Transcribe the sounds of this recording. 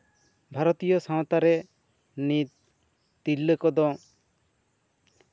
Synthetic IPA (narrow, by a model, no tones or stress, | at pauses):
bʱaɾɔt̪ijɔsɔ̃wt̪aɾɛ | nit̪̚ | t̪ilːəkɔd̪ɔ